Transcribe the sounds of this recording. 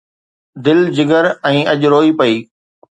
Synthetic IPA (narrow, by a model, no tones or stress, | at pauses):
d̪ɪld͡ʑɪɡəɾɛ̃ːɐʄɾoːipɐiː